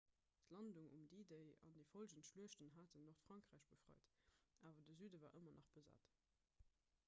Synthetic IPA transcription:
tʰlɑnduŋṵmdideɪɑ̰ndəɪfolʒəntʃluəʃtənɦaːtʰənːoχtfʁɑŋkʁæːɪʃb̥əfʁɑ̰ɪtʔaːvɐdəzyːdəvaːʔəmɐnʔɑχb̥əza̰ːt

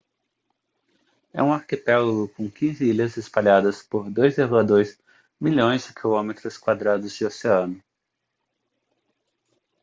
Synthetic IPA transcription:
ɛ̰ũaɾkipɛlɡʊkõw̃kĩzɪiʎɐzespaʎad̪ɐspoɾd̪ojzevɐd̪oɾɪs | miʎõj̃zd͡ʒɪkʰilõmet̪ɾʊskwad̪ɾad̪ʊzd͡ʒɪoseɐ̃nʊ

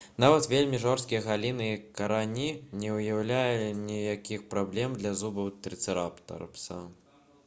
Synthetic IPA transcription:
navɐt̪vʲelʲmʲiʐɔrst̪kʲijɐɣalʲinɨkɐɾanʲinʲɛwjawlʲajuinʲijakʲixpɾablʲɛmd̪lʲɐzubɐwt̪ɾɨt̪sɨɾapt̪ɐ̰rpsɐ

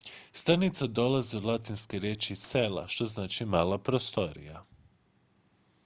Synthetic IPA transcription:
st̪ɾanit̪sad̪o̞laziud̪lˠat̪inskeɾjet͡ʃisela̰ʃt̪o̞znaːt͡ʃimaːlapɾost̪o̞ɾḭja

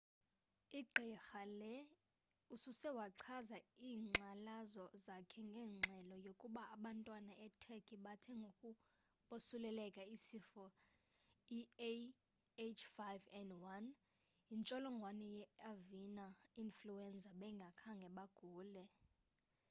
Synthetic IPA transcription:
iǃʱɛxalɛ | ususɛwaǀʰazaiːŋ͡ǀʱalazɔzakʰɛŋɡʱɛːŋ͡ǀʱɛlɔjokʼuɓaːɓantʼwanaʔɛtʰɛkʰʼiɓatʰɛŋɡʱokʼu | ɓosulɛlɛkʼaisifɔ | i | et͡ʃʰfajvɛndwan | int͡ʃʼɔlɔŋɡʱwanɛjɛavinainfluɛnd͡zʱaɓɛŋɡʱakʰaŋɡʱɛɓaɡ̥ʱuːlɛ

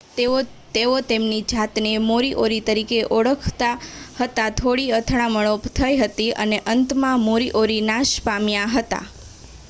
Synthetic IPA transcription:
e | t̪eot̪emnid͡ʒat̪nemoɾiʔoɾit̪əɾikeʔoɭəkʰt̪ahət̪at̪ʰoɽiət̪ʰɽ̃ãməɭ̃opt̪ʰəjɦət̪iə̰neʔənt̪mãmoɾiʔoɾinaʃpamjaɦət̪a̰

